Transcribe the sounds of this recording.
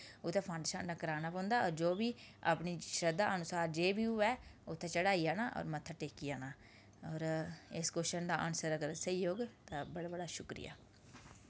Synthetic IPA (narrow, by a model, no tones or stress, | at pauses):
ʊt̪ʰːɛ̃ːpʰãːɳɖeʃa̰ːnnaːkəɾaːnaːpɔ̃ːnd̪aːɔːɾd͡ʒoːbiːa̰ːpniːʃɾəd̪a̰ːʔənʊsaːɾd͡ʒeːbiːʊɛːʊt̪ʰːẽːt͡ʃəɽaːiːaːnaːʔɔ̰ːɾmət̪ʰːaːʈeːkiːaːnaː | ɔːɾɪskʊʃənd̪aːʔənsəɾəkəɾsəijoːɡt̪ãːbəɽaːbəɽaːʃʊkɾɪ̰ja̰ː